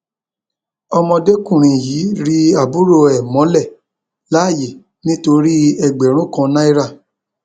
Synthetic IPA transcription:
ɔ˧mɔ̃˧de˦kũ˦˨ɾ̃ĩ˨jiː˨˦ɾi˦a˦˨bu˦ɾo˦˨ɛ˨mɔ̃˨˦lɛ˦˨ | la˨˦˨je˨ | nĩ˦to˧ɾi˦ɛ˨ɡ͡bɛ˨ɾ̃ũ˦kã˧nã˦i˦ɾa˦˨

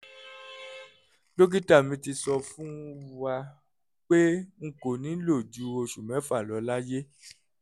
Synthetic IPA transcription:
lo˦ɡi˦ta˦˨mĩ˧ti˧sɔ˧fũ˦˧wa˧ | k͡pe˦ŋ̩˨ko˨nĩ˨˦lo˦˨d͡ʒu˨˦˧o˧ʃu˨mɛ̃˨˦fa˦˨lɔ˨˦la˦je˦

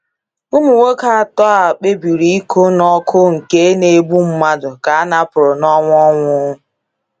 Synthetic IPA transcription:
ʊ˦mu˨wo˦ka˨a˨tɔ˦a˨k͡pe˦bi˨ɾi˦i˦kʰo˦nɔ˦kʰʊ˦ŋ̩˨ke˦ne˨˦bu˦m̩˦ma˦dʊ˨ka˨a˦na˦pʊ˨ɾʊ˨nɔ˦ŋʷ˦ɔ˦ŋʷʊ˦

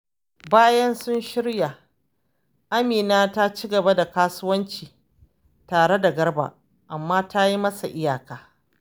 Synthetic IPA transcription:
baː˦jɐ˦nsʊ˦nʃɪ˦ɽja˨ | ʔa˦miː˨naː˦ta˦t͡ʃiː˦ɡɐ˨ba˦da˨kaː˦sʊ˦wɐ˦nt͡ʃiː˨ | taː˨ɽe˦da˨ɡɐ˦ɽba̰ː˨ | ʔa˨mːaː˦ta˦ji˦mɐ˦sa˨ʔɪ˦jaː˨kaː˨˦

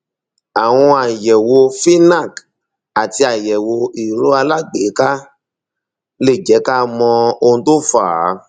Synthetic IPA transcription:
a˨w̃ɔ̃˧a˨jɛ˨wo˧fi˦na˦˨k | a˨ti˧a˨jɛ˨wo˧i˨ɾo˨˦a˧la˦ɡ͡be˨˦ka˦ | le˦˨d͡ʒɛ˨˦ka˦mɔ̃˧o˧ũ˧to˦˨faː˨˦

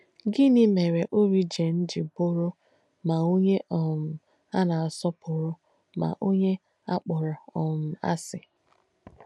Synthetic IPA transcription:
ɡɪ˦nɪ˦me˨ɾe˨ʔo˦ɾi˦d͡ʒe˨n̩˦d͡ʒɪ˨bʊ˦ɾʊ˦ | ma˨o˦ɲe˦ʔɔ˨m̩˨ | a˦na˨a˨sɔ˦pʰʊ˨ɾʊ˦ | ma̰˨ʔo˦ɲe˦ | a˦k͡pʊ˨ɾa˨ɔ˨m̩˨a̰˦sɪ˨

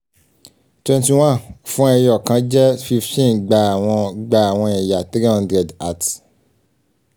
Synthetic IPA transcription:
twɛ̃˧nti˧w̃ã˦˨n˨fũ˦ɛ˧jɔ˨kã˨˦d͡ʒɛ˦fi˧ftĩ˦nɡ͡ba˧a˨w̃ɔ̃˧ɡ͡ba˧a˨w̃ɔ̃˧jɛ̃˨ja˨te˦ɾi˦ã˧ndɾɛ˨da˦˨t

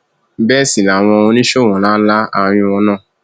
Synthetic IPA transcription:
bɛ˦˨si˨la˨w̃ɔ̃˧o˧nĩ˦ʃo˦˨w̃ɔ̃˨lãː˨˦la˦a˧ɾ̃ĩ˧ɔ˧nã˦˨

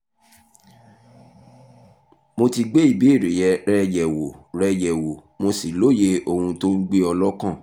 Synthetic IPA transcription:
mo˧ti˧ɡ͡be˦i˦˨bi˨˦i˦˨ɾe˨jɛ˧ɾɛ˦jɛ˨wo˨ɾɛ˦jɛ˨wo˨ | mo˧si˨lo˦je˧o˧hũ˧to˦n̩˦ɡ͡be˦ɔ˧lɔ˦kã˦˨

